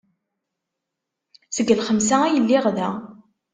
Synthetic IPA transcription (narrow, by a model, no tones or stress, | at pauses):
zəɡːəlχəmsææjəlːɪʁðæ